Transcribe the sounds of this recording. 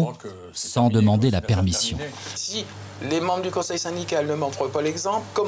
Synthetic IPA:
sɑ̃d̪əmɑ̃d̪elapɛʁmisjɔ̃si | lemɑ̃bʁd̪ykɔ̃sɛjsɛ̃d̪ikalnəmɑ̃fʁəpalɛɡzɑ̃plkɔm

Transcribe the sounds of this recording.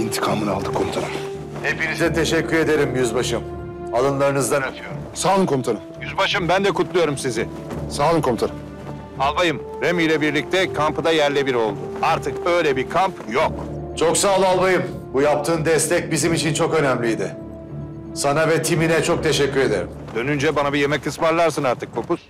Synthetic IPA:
int̪ʰi̥kʰamɯna̰lˠd̪ɯkʰomt̪ʰaɾɯm | hepinizɛt̪ʰe̞ʃɛcʰːyɾe̞d̪eɾimjyzbaʃɯm | alˠɯnlˠaɾɯnɯzd̪anat̪ʰyjo̞ɾumsaːlˠɯnkʰomt̪ʰaɾɯmjyzbaʃɯmbænd̪ɛkʰut̪lˠujo̞ɾumsizɪ | saːlˠɯŋkʰomt̪ʰaɾɯm | alˠbajɯm | ɾemijlʲɛbiɾlʲic̚t̪ʰɛkʰampɯd̪ajæɾlʲɛbiɾo̞̰lˠd̪ʊaɾt̪ʰɯk̚ø̞jlʲɛbiɾkʰampjo̞k̚t͡ʃʰo̞ksaːlˠɯalˠbajɯm | bujap̚t̪ʰɯːnd̪ɛst̪ʰɛc̚bizimit͡ʃʰint͡ʃʰo̞kø̞næmlʲijd̪ɪ | sanavɛt̪ʰiminɛt͡ʃʰok̚t̪ʰeʃɛcːyɾe̞d̪ḛɾḭmd̪̥ø̞nynd͡ʒɛbanabije̞mɛcʰːɯsvaɾlˠaɾsɯnaɾt̪ʰɯkkʰːo̞pus

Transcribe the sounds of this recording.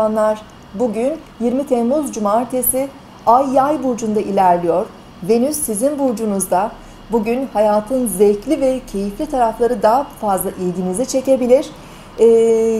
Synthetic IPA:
anlˠaɾ̥ | buɟynjiɾmit̪ʰɛmmuzd͡ʒumaɾt̪ʰesi | ajːajbuɾd͡ʒund̪aʔilʲæɾlʲijo̞ɾ̥ | ve̞nysːizinbuɾd͡ʒunuzd̪a | buɟynhajaːt̪ʰɯnzɛclʲivɛcʰe̞jiflʲit̪ʰaɾaflˠaɾɯd̪aɦafazlˠaʔilɟʲinizit͡ʃʰe̞ce̞bilʲiɾ̥ | ɛː

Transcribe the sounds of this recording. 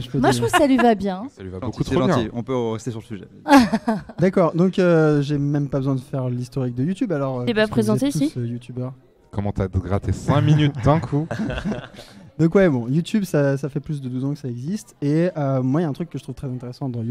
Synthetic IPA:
ʒəpəmauksalɥivabjɛ̃salɥivabbokut̪ʁolɑ̃j̃iɔ̃pøʁɛst̪esyʁləsyʒɛ̰ | d̪akɔʁd̪ɔ̃køʒemɛmpabəzwɛ̃d̪əfɛʁlist̪ɔʁik̚d̪əjut̪ybalɔʁøebɛ̃pχezɑ̃tt̪euisəjut̪ybœʁ | kɔmɑ̃t̪yaɡʁat̪ʰesɛ̃minyd̪ɛ̃kʰu | d̪ɔ̃kwɛbɔ̃jut̪ybsas̬afɛplys̬d̪əd̪uzɑ̃kə̥saɛɡzist̪eømwailaɛ̃t̪χykːəʒət̪χuvt̪χɛzɛ̃t̪eʁesɑ̃d̪ɑ̃ju

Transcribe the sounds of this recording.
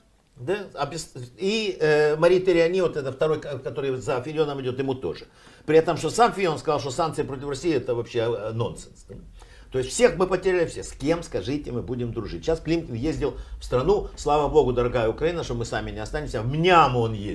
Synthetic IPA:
d̪aɐbʲɪsiəmɐɾʲit̪əɾʲɪɐnʲivot̪ɛt̪əft̪ɐɾo̞jkkɐt̪o̞ɾɨjzɐfʲɪlʲɪo̞nəmɪdʲo̞t̪jɪmut̪o̞̰ʐɨ | pɾʲɪɛt̪əmʂt̪osamfʲɪlʲo̞nskɐzɑlˠʂt̪osankt̪sɨɪpɾo̞tʲɪfrɐsʲijɪɛt̪əvɐpɕːeno̞nsɨns | t̪o̞ɪsʲt̪ʲfsʲe̞xmɨpətʲɪɾʲælʲɪfsʲesʲkʲe̞mskɐʐɨtʲɪmɨbudʲɪmd̪ɾʊʐɨt̚ʲɕasklʲimkʲɪnjezʲdʲɪlˠfst̪ɾɐnuslˠavəbo̞ɡʊd̪ɐɾɐɡajəʊkɾɐinəʂt̪omɨsamʲɪnʲɪɐst̪anʲɪmʲsʲəmnʲamo̞njesʲ

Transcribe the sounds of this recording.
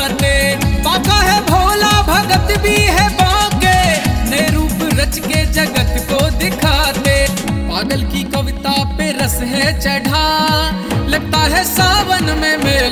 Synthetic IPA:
lepãːkaɦɛbʱoːlabʱɐɡət̪bʱiɦɛbãːkenɐeɾuːpɾət͡ʃked͡ʒɐɡət̪kod̪ɪkʰaːt̪eː | paːɡəlkikɐʋɪt̪apeɾəsɦɛt͡ʃɛːɽ̤ʱa | lɐɡ̚t̪aɦɛsaːʋənmẽmeː

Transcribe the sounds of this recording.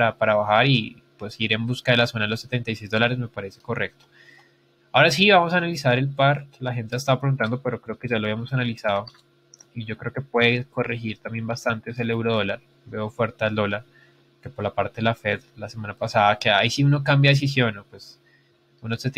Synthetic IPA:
apaɾaβaxaɾi | pwe̞siɾe̞mbuskað̞e̞laso̞naðelosːet̪e̞nt̪ajsejzd̪o̞laɾe̞zme̞paɾe̞se̞̥ko̞re̞k̚t̪o̥ | aoɾasiβamosaːnalisaɾe̞lpaɾlaxe̞nt̪east̪aβapɾeɣunt̪and̪ope̞ɾo̞kɾe̞okeʝaloaβjiamosanalisaðo | iʝo̞kɾe̞okepwe̞ðeeko̞rexiɾt̪ambje̞mbast̪ant̪eese̞le̞wɾoð̞olaɾ | be̞ofwe̞ɾt̪eld̪o̞laɾ | ke̞po̞ɾlapaɾt̪eðelafeðlasemanapasaðakeaisiuno̞k̬ambjaðes̬is̬jo̞nopwes | unoset̪

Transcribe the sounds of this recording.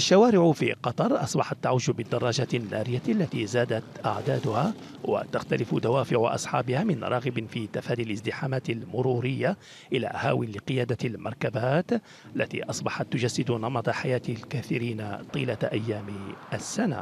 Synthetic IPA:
ʔʔaʃːawaːɾɪʕʊfḭqɑt̪ˤɑɾˤʔɑsˤbɑħɑt̪ːaʕuːʒbɪd̪ːɑrˤːɑːʒaːt̪nːa̰ːɾɪjaʔalːat̪iːzaːd̪at̪ʔa̰ʕd̪aːd̪ʊha | wa̰t̪axt̪alɪfd̪awaːfɪʕʊʔɑ̰sˤħɑ̰ːbɪhaːmɪnɾˤʔɑːɣɪbfit̪afaːd̪ialɪzd̪ɪħaːmaːt̪ɪlmʊɾuːɾɪjːa | ʔɪla̰ːhaːwɪnlɪqɨjaːd̪almɑ̰ɾˤkabaːt̪ | alːat̪ḭːʔɑsˤbɑħɑt̪ːʊd͡ʒasːɪd̪ʊnɑmɑt̪ˤɑħajaːt̪lkaθiɾiːnat̪ˤiːlaʔajːaːmʔasːana̰

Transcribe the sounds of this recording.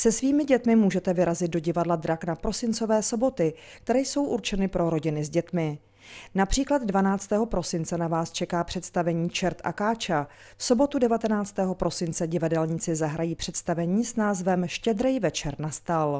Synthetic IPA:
sɛsviːmɪɟɛt̪mɪmuːʒɛt̪ɛvɪɾazɪt̪̚do̞ɟɪvadlad̪ɾaknapɾo̞sɪnt͡so̞vɛːso̞bo̞t̪ɪk̚t̪ɛɾɛːjso̞wʔuɾt͡ʃɛnɪpɾo̞ɾo̞ɟɪnɪzɟɛt̪mɪ | napr̥iːklad̪dvanaːt͡st̪ɛːɦo̞pɾo̞sɪnt͡sɛnavaːst͡ʃɛkaːpr̥ɛt̪st̪avɛɲiːt͡ʃɛɾt̪ʔa̰kaːt͡ʃa | fso̞bo̞t̪udɛvat̪ɛnaːt͡st̪ɛːɦo̞pɾo̞sɪnt͡sɛɟɪvadɛlɲɪt͡sɪzaɦɾajiːpr̝̥ɛt̪st̪avɛɲiːsnaːzvɛmʃcɛd̪ɾɛjvɛt͡ʃɛɾnast̪al

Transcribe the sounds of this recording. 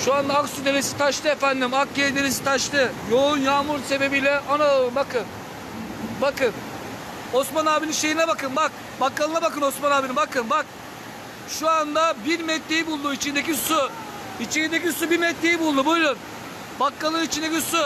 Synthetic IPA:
ʃuand̪aaksud̪e̞ɾesi̥t̪ʰaʃt̪ʰɯefænd̪imak̚ɟeɾid̪e̞ɾes̬i̥t̪ʰaʃt̪ɯjo̞unjaːmuɾse̞be̞bijlʲɛʔanalˠɯmbakʰɯn | bakɯn | o̞smanaːbilʲinʃe̞jinɛbakɯnbak̚ | bakːalˠɯnabakɯno̞smanaːbinibakɯnbak̚ | ʃuand̪abiɾmɛt̪ʰːejibulˠd̪uit͡ʃʰind̪ec̬isu | it͡ʃʰiind̪ecisubiɾmɛt̪ʰːejibulˠd̪ubujlˠun | bakːalˠɯnit͡ʃʰind̪ecʲisu

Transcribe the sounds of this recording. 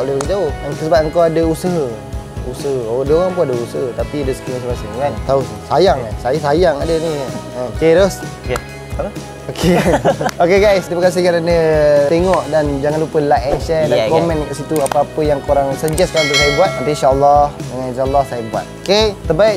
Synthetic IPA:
ʔulehbəɡid͡ʒaoəŋkəsəbaəŋkawadəusəɦə | usəɦəoadoɣaŋp̬unadəusəɦət̪apidəsə̥kiŋas̬imasiŋkant̪aussajaŋasajasajaŋadəniə̃keɾos | k | okʰekanokeɡajst̪iməkas̬ihkananət̪eŋɔʔdand͡ʒaŋanlupəlaʔɛnʃɛdakomɛ̃nksit̪uapaapəjaŋkoɾaŋsəd͡ʒɛstkant̪uʔs̬ajəbuat̪̚ant̪ainʃaəlːɔhdəŋaninʃaəlːahsajəbua̰t̪̚oket̪əbaiʔ

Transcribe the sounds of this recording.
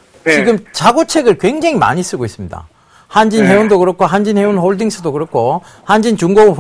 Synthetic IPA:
t͡ɕiɡɯmt͡ɕaɡot͡ɕʰe̞ɡɯɭkwe̞ŋd͡ʑeŋima̰ɲis͈ɯɡois͈ɯmɲida̰ | hand͡ʑinɦe̞undokɯɾʌkʰoɦand͡ʑinhe̞unhoɭdiŋsʰɯdokɯɾʌkʰo | hand͡ʑint͡ɕuŋɡou

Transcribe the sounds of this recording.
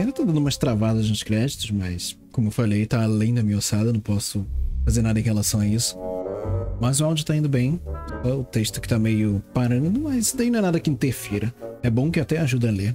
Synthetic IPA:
ɛlɐt̪ad̪ɐ̃d̪ʊumɐst̪ɾavad̪ɐzɐ̃ɪ̥kɾɛd͡ʒit̪ʊzmɐskõmʊewfalejt̪aːlẽj̃d̪ɐmĩɲɐosad̪ɐnɐ̃w̃pɔsʊfazeɾnad̪ɐẽɦhelasɐ̃w̃aisʊ̥ | mɐzʊawd͡ʒʊt̪aĩnd̪ʊbẽj̃ɛʊt̪eʃt̪ʊkɪ̥t̪amejʊpaɾɐ̃nd̪ʊmɐsd̪ainɐ̃ɛnad̪ɐkɪĩt̪eɾfiɾɐɛbõkɪat̪ɛaʒud̪ɐɐleɾ

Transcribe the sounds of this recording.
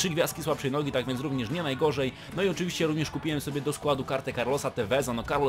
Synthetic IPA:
ʂɘɡvʲjast̪kʲiswapʂɛjnɔɡʲit̪aɡvʲjɛnt̪ɾuvɲɛʂɲɛnajɡɔʐɛj | nɔiɔt͡ʂɘvʲiɕt͡ɕɛɾuvɲɛʂkupʲiwɛmsɔbʲjɛd̪ɔskwad̪ukaɾt̪ɛkaɾlɔsat̪ɛvɛzanɔkaɾlɔ

